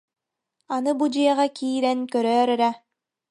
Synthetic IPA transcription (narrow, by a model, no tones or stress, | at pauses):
anɯbud͡ʑiɛʁakʰiːɾɛnkœɾœːɾɛɾɛ